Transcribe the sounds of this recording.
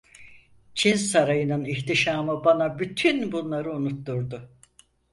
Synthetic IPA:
t͡ʃʰinsaɾajɯnɯniçt̪iʃaːmɯbanabyt̪ʰynbunlˠaɾɯunut̪ːuɾd̪ʊ

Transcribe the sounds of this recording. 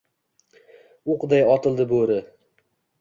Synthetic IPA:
ʊqd̪ajɒt̪ɪlˠd̪ɪboɾɪ

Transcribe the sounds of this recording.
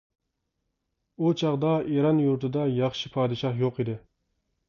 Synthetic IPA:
ut͡ʃʰɑʁd̪ɑiɾɑnjuɾt̪ʰɨd̪ɑjɑχʃɪpʰɑːd̪ɨʃɑhjoqid̪ɪ

